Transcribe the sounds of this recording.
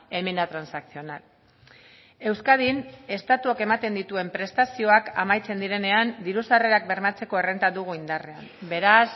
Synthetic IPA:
e̞minat̪ɾansaksio̞nal | e̞wskað̞ine̞st̪at̪uake̞mat̪e̞nd̪it̪ue̞mpɾe̞st̪asio̞akamajt͡se̞nd̪iɾe̞ne̞and̪iɾusare̞ɾak̚be̞ɾmat͡se̞ko̞e̞re̞nt̪aðuɣ̞uind̪are̞a̰mbe̞ɾas

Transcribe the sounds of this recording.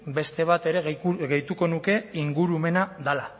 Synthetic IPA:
be̞st̪e̞β̞at̪e̞ɾe̞ɣeɣejt̪uko̞nuke̞iŋɡuɾume̞naðala

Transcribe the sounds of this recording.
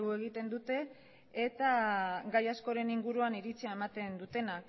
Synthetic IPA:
ɣue̞ɣit̪e̞nd̪ut̪e̞ː | t̪aɡajasko̞ɾe̞niŋɡuɾuaniɾit͡siae̞mat̪e̞nd̪ut̪e̞nak

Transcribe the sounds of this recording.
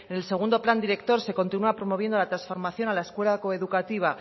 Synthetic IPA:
enelse̞ɣ̞und̪o̞pland̪iɾe̞kt̪o̞ɾse̞ko̞nt̪inuapɾo̞mo̞β̞je̞nd̪o̞lat̪ɾasfo̞ɾmaθjo̞nalae̞skwe̞lako̞eðukat̪iβ̞a

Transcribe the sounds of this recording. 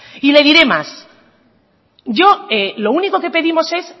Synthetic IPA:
ile̞ðiɾe̞ma̰s | ʝo̞elo̞uniko̞ke̞pe̞ðimo̞se̞s

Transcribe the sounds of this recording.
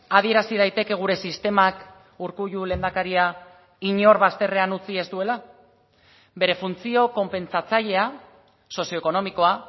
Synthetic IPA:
að̞ie̞ɾasið̞ajt̪e̞ke̞ɣ̞uɾe̞sist̪e̞mak | uɾkuʎule̞ːnd̪akaɾia | iɲo̞ɾβast̪e̞re̞anut͡sie̞zd̪ue̞la | be̞ɾe̞funt͡sio̞ko̞mpe̞nt͡sat͡saʎe̞a | so̞sio̞eko̞no̞miko̞a

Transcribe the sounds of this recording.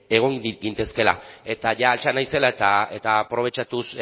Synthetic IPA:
e̞ɣ̞o̞ŋɡint̪e̞ske̞la̰e̞t̪aʝaːlt͡ʃanajse̞laet̪ae̞t̪aːpɾo̞β̞e̞t͡ʃat̪us

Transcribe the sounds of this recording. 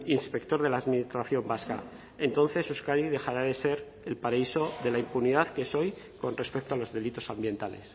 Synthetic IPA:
inspe̞kt̪o̞ɾð̞e̞laːðminist̪ɾaθjo̞mbaska̰ | e̞nt̪o̞n̟θe̞suskaɾiðe̞xaɾaðe̞se̞ɾ | elpaɾaiso̞ðe̞laimpuniðaðkeeso̞j | ko̞nre̞spe̞k̚t̪oalo̞zðe̞lit̪o̞sambjent̪ale̞̰s

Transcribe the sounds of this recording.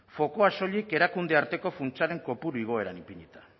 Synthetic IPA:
fo̞ko̞aso̞ʎike̞ɾakund̪e̞aɾt̪e̞ko̞funt͡saɾe̞ŋko̞puɾuiɣ̞o̞e̞ɾanipiɲit̪ḁ

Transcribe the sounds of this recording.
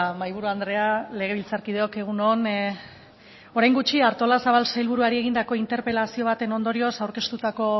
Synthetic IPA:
majβ̞uɾuand̪ɾe̞ale̞ɣ̞e̞βilt͡saɾkið̞eo̞ke̞ɣ̞unon | o̞ɾajŋɡut͡ʃiaɾt̪o̞lasaβ̞alsajlβuɾuaɾie̞ɣind̪ako̞int̪e̞ɾpe̞lasio̞β̞at̪e̞no̞nd̪o̞ɾio̞sawɾke̞st̪ut̪ako̞

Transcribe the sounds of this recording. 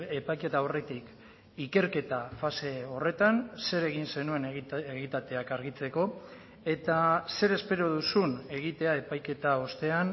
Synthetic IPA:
epajke̞t̪aore̞t̪ik | ike̞ɾke̞t̪afase̞o̞re̞t̪anse̞ɾe̞ɣ̞inse̞nue̞neɣit̪at̪e̞akaɾɣit͡se̞ko̞ | e̞t̪ase̞ɾe̞spe̞ɾo̞ðusune̞ɣ̞it̪e̞ae̞pajke̞t̪aost̪e̞an

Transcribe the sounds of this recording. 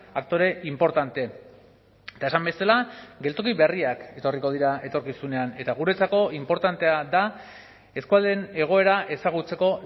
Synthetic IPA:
ak̚t̪o̞ɾe̞ʔimpo̞ɾt̪ant̪e̞ | et̪ae̞sambe̞salaɡe̞lt̪o̞kiβe̞riake̞t̪o̞riko̞ð̞iɾae̞t̪o̞ɾkisune̞ane̞t̪aɣ̞uɾe̞t͡sako̞impo̞ɾt̪ant̪e̞ad̪a | e̞skuald̪e̞ne̞ɣ̞o̞e̞ɾaʔe̞saɣ̞ut͡se̞ko̞

